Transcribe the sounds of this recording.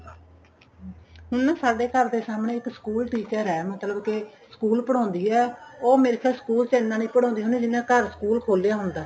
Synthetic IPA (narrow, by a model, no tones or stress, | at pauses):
ɦʊnːsaːɖeːkəɾd̪eːsaːmɳẽːɪksə̥kuːlʈiːt͡ʃəɾɛːmət̪ləbkɪsə̥kuːlpəɽɔ̃ːnd̪iːɛːoːmɪɾkʰɛsə̥kuːlt͡ʃɛnːãːnĩːpəɽɔ̃ːnd̪iːɦʊːnẽːd͡ʒɪnãːkəɾsə̥kuːlkʰoːlːejaːɦʊnd̪aː